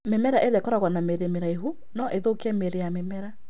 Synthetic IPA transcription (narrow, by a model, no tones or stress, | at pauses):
memɛɾaʔeɾɛkɔɾaɣwanameɾemeɾaeɦu | nɔʔeðokeɛmeɾejamemɛɾa